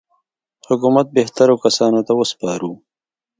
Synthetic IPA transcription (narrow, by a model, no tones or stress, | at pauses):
hʊkumat̪̚beht̪aɾokasɑnot̪awəspɑɾu